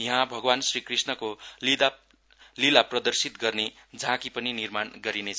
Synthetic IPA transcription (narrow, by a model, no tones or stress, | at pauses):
iɦãbʱʌɡwansrikrisnʌkolid̪a | lilaprʌd̪ʌrsit̪ɡʌrne | d͡zʌãkipʌninirmanɡʌɾinet͡sʰʌ